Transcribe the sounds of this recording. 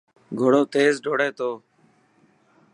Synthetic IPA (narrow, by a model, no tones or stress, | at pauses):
ɡʱoɽoːt̪eːzɖoːɽeːt̪oː